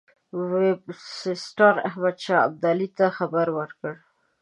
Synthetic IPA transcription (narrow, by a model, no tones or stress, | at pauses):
wɪbsɪsʈɑɾa̰hmad̪ʃɑa̰b̚d̪alit̪axabaɾwəɾkəɽ